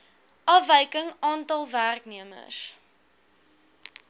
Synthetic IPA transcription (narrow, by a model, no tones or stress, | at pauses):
ʔɑːvəjkəŋɑːntɐlˠværkniəmə̰s